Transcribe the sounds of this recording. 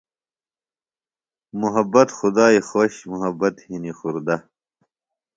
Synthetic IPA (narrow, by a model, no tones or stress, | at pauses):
muɦɐbɐt̪xud̪aːixoːɕmuɦɐbɐt̪hinixuɾd̪ɐ